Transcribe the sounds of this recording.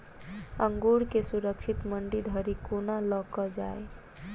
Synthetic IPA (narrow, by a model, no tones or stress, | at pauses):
əŋɡuɾkesuɾəkt͡ʃʰit̪məɳɖid̪ʱəɾikonalɔkɔd͡ʒae